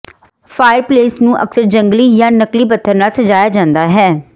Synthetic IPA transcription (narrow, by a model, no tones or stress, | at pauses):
fʰaːɪəɾpleːsnũːʔə̰ksəɾd͡ʒəŋɡliːjãːnəkliːbət̪ʰːəɾnaːsəd͡ʒaːjaːd͡ʒãːnd̪aːɦɛː